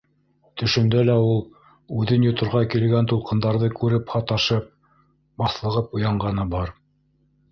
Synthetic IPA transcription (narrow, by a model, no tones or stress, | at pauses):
t̪ɵ̆ʃɵ̆md̪ælæulˠ | ʉðɘnjŏt̪ŏɾʁɑkilɡænt̪ulˠqɤ̆nd̪ɑɾðɤkʉɾɘphɑt̪ɑʃɤp̚ | bɑθlˠɤ̆ʁɤpŏjɑɴɢɑnɤbɑɾ